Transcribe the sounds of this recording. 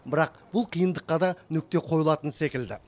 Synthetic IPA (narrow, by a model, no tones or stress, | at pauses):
bɪɾɑq̚ | b̥ʊlˠqʰijənd̪əqːɑd̪ɑnʏk̚t̪e̞qʰo̞jəlˠɑt̪ənse̞kʲɪld̪ɪ̰